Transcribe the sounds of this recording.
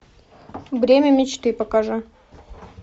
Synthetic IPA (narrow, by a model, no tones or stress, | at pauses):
vɾʲemʲəmʲɪt͡ɕt̪ɨpɐkaʐɨ